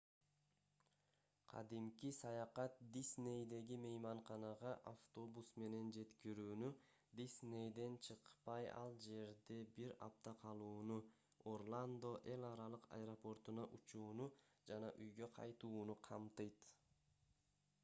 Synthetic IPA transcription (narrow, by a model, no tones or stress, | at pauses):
qʰɑ̰d̪imkisɑjɑqɑt̪̚d̪isne̞jd̪e̞ɡime̞jmɑɴχɑnɑʁɑʔaft̪o̞busme̞ne̞nd͡ʒe̞t̪kiɾyːny | d̪isne̞jd̪e̞nt͡ʃʰɯqpɑjɑ̰lˠd͡ʒe̞ɾd̪e̞biɾɑ̰p̚t̪ɑqʰɑlˠuːnu | o̞rlˠand̪o̞ʔe̞lʲɑɾɑlˠɯqɑ̰jɾo̞po̞rt̪unɑʔut͡ʃuːnu | d͡ʒɑnɑʔyjɡø̞qʰɑ̰jt̪uːnuqʰɑmt̪ɯjt̪